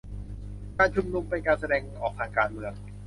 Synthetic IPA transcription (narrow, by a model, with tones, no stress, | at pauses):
kaː˧nt͡ɕʰu˧mnu˧mpe˧nkaː˧nsa˧dɛː˧ŋʔɔː˨˩k̚t̪ʰaː˧˩ŋkaː˧nmɯ˧əŋ